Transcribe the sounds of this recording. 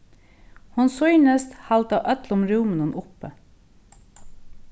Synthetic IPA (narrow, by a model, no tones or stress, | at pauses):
hʊnsɔʏnəst̪hɑlt̪ɑːʔœt̪lʊmɾʉːmənənʔʊpə